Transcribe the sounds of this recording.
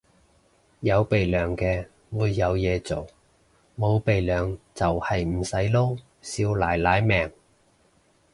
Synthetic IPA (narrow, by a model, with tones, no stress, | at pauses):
jɐ˨˧wpe˨jlœː˨˩ŋkɛː˧ | wuː˨˧jːɐ˨˧wjɛː˨˧t͡so˨˩w | mo˨˧wpe˨jlœː˨˩ŋt͡sɐ˨whɐ˨jm̩˨˩sɐ˨˥jlo˥w | siː˧wlaː˨˩jlaː˨˥jmɛː˨˩ŋ